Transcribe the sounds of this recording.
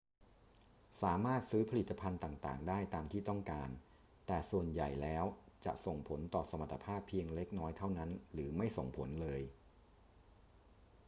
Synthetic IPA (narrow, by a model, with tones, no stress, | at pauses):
saː˩˦maː˥˩t̪̚sɯː˦˥pʰa˧li˨˩t̪ːa˧pʰa˧nt̪aː˨˩ŋt̪a̰ː˨˩ŋdaː˥˩jt̪aː˧mt̪ʰiː˥˩t̪ɔ˥˩ŋkaː˧n | t̪ɛː˨˩su˨˩ənja˨˩jlɛː˦˥wt͡ɕa̰˨˩ʔso˨˩ŋpʰo˩˦nt̪ɔː˨˩sa˧ma˨˩t̪ʰːa˧pʰaː˥˩pʰːi˧əŋle˦˥k̚nɔː˦˥jt̪ʰa˥˩wna˦˥nɾɯː˩˦ma˥˩jso˨˩ŋpʰo˩˦nlɤː˧j